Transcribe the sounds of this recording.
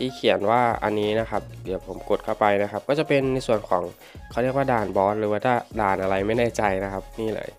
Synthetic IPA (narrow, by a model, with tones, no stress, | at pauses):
t̪ʰiː˧˥˩kʰi˨˩˦ə˦nwaː˥˩ʔa̰˧nːiː˦˥na˦˥kʰa˦˥p̚di˨˩wpʰo˩˦mko˨˩t̪̚kʰa˥˩wpa˧jna˦˥kʰa˦˥p̚kɔː˥˩t͡ɕa˨˩pe˧nːa˧jsu˨˩ənkʰɔ̰ː˩˦ŋ | kʰa˦˩ɾli˥˩ək̚waː˥˩daː˨˩nbɔː˨˦˥nɾɯː˨˦waː˥˩t̪ʰaː˥˩daː˨˩nʔa˧ɾa˧jma˥˩jna˥˩jt͡ɕa˧jna˦kʰa˦˥p̚niː˥˩lɤ̰ː˧˩˦j